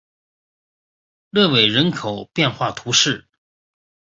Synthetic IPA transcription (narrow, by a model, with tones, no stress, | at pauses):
lɤ˥˩we˨˩ɪɻə˧˥nkʰo˨˩ʊpjɛ˥˧nxwa˥˩t̪ʰu˧˥ʂɻ̩˥˩